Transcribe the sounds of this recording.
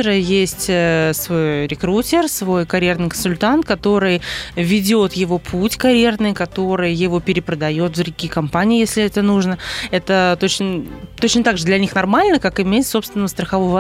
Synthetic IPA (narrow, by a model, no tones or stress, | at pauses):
ɾəjesʲtʲəsvo̞jɾʲɪkɾutʲɪrsvo̞jkɐɾʲjernɨjkənsʊlʲt̪ant̪̚kɐt̪o̞ɾɨjvʲɪdʲo̞t̪jɪvo̞pʰutʲkɐɾʲje̞rnɨjkɐt̪o̞ɾɨjjɪvo̞pʲɪɾʲɪpɾəd̪ɐjo̞t̪vzɾʲʊɡʲiːkɐmpanʲɪjːjesʲlʲɪɛt̪ənuʐnəɛt̪ət̪o̞t͡ɕnət̪o̞t͡ɕnət̪aɡʐɨd̪lʲɛɐnʲixnɐrmalʲnəkakɪmʲeɪt̪so̞pst̪vʲɪnəvəst̪ɾəxɐvovɐ